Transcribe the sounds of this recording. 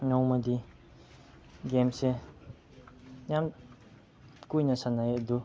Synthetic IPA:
ɲɔmad̪i | ɡɛmse | ɲam | kuɲasʰanajeʔd̪u

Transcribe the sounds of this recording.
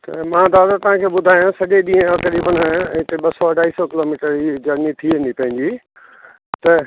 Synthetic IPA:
t̪ɐmãːd̪aːd̪at̪ɐɦãkʰeːɓʊd̪ʱaːjãsɐʄeɗĩːẽɐkɐɾiːbənɪt̪eɓɐsɔɐɖʱaːiːsɔkɪloːmiːʈəɾid͡ʑɐɾnit̪ʰiʋẽːnd̪ipɐ̃ɦɪ̃ɲd͡ʑiː | t̪ɐ

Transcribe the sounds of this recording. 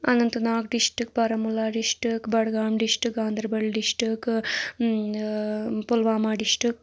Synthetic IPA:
ɐnɐnt̪unaːkɖiʂʈɨk̚pɐɾɐmulaːɖiʂʈɨkbɐɽɡaːmɖiʂʈɨɡaːnd̪ɐɾbɐɭɖiʂʈɨk | pulʋaːmaːɖiʂʈɨk

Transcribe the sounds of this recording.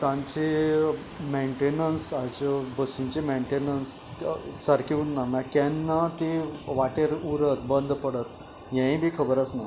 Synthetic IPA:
t̪ãɲt͡se | meɳʈenənsat͡ɕəbəsiɲt͡ɕemeɳʈenəns | t͡səɾkiunnamãkɛnːat̪eʋaʈeɾuɾət̪bənd̪ʱpəɽət̪̚ | ɦãĩbʱiːkʰəbəɾət͡sna

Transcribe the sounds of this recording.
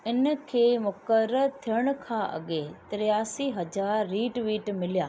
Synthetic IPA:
ɪnkʰeːmʊkəɾəɾt̪ʰijəɽ̃əkʰãːʔɐ̰ɠet̪ɾɪjaːsiːɦɐd͡ʒaːɾːiːʈʋiːʈmɪljaː

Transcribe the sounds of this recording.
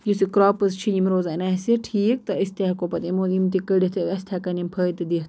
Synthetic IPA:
jusikɾaːpɨzt͡ʃʰijimɾoːzanaːsiʈʰiːk̚t̪ɐist̪eɦkopɐt̪imoimt̪ikəɽit̪ʰiɐst̪ʰakɐnimpʰəːt̪ɨd̪it̪

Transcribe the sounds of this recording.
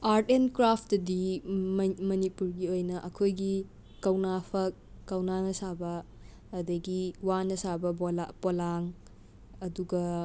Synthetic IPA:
aɾtenkɾapʰdɐdi | mɐnipuɾɡiojnɐʔɐkʰojɡi | kɐwnapʰɐk̚ː | ɐwnanɐsabɐː | dɐɡiwanɐsabɐa̰polaŋ | ɐduɡɐ

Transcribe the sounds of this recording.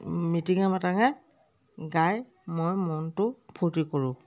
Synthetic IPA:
mitiŋamataŋa | ɡaj | mojmɔntʊpʰutikoɹʊ̃

